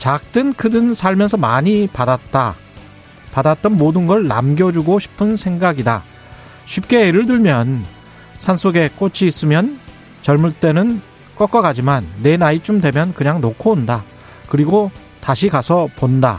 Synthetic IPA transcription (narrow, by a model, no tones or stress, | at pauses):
t͡ɕak̚t͈ɯnkʰɯdɯnsʰaɭmjʌnsʰʌmaɲipadat̚t͈a | padat̚t͈ʌnmodɯnɡʌɭːa̰mɡjʌd͡ʑuɡoɕʰi̥pʰɯnsʰe̞ŋɡaɡida | ɕʰɥip̚k͈e̞ːɾɯɭdɯɭmjʌn | sʰansʰoɡe̞k͈ot͡ɕʰiːs͈ɯmjʌn | t͡ɕʌɭmuɭt͈e̞nɯn | k͈ʌk͈ʌɡad͡ʑimanːe̞nait͡ɕ͈omdwe̞mjʌnkɯɲaŋnokʰonda | kɯɾiɡo | taɕʰikasʰʌponda̰